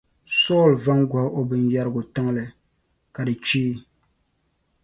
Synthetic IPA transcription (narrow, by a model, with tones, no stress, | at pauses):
sɔː˦˨lva˦ŋɡʷa˨hʔo˨bɨ˨nja˦ɾɨ˦ɡʊ˨tɨ˦ŋ˦lɨ˨ | ka˨dɨ˨t͡ʃiː˦